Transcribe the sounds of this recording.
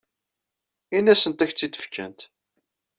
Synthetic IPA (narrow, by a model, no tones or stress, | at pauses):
inːæsənt̪æçt͡sːit̪ːə̥fkə̰nt̪